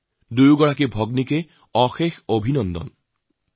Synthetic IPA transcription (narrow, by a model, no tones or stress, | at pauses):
d̪ujuɡɔɭakibʱɔɡnike | ɔxexobʱinɔnd̪ɔ̰n